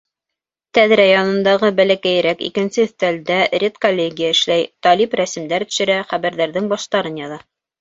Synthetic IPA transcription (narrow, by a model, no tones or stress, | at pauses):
t̪æðɾæjɑnɤ̆nd̪ɑʁɤbælækæjɾækḭkɘ̆nsɘ̆θt̪æld̪ærʲet̪kolʲːeɡʲijaɘ̆ʃlæjt̪ɑlipɾæsɘ̆md̪æɾt̪ɵ̆ʃɘ̆ɾæχæβæɾðæɾðɘŋbɑʃt̪ɑɾɤnjɑðɑ